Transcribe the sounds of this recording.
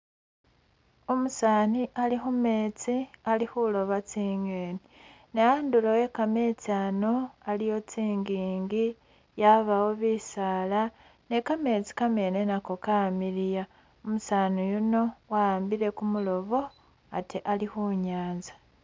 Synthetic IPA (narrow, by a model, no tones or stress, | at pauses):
omusaːniʔalixume̞ːt͡sialihulo̞βat͡siːŋeːni | nejaːndulowe̞kame̞t͡sano̞alijo̞t͡siːŋɡiːŋɡi | jaβawoβiːsaːla | ne̞kame̞t͡si̥kame̞ːne̞nakokamiɾija | omusanijuno̞waaːmbiɾe̞kumulo̞βo̞ | atiʔalixuɲaːnzḁ